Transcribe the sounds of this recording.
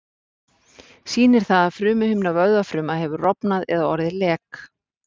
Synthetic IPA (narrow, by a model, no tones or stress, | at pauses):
siːnɪɾ̥θaðaðfɾʏːmʏhʏmnavœɥðafɾʏːmahɛvʏrɔpnaðɛ̰ðaɔ̰ɾðɪlɛːk